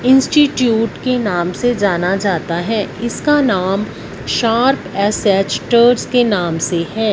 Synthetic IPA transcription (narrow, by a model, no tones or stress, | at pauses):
ɪ̃nsʈiʈjuːʈkenaːmsed͡ʒaːnad͡ʒaːt̪aɦɛːɪskanaːm | ʃaːɾpɛːsɛːt͡ʃʈəɾzkenaːmseɦɛː